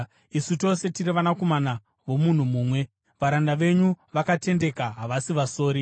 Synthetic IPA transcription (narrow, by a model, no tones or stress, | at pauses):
isuto̞se̞tiɾiʋanako̞mana | ʋo̞mun̤umuːmwe̞ | ʋaɾandaʋe̞ɲuʋakate̞nde̞kaɦaʋasiʋaso̞ːɾi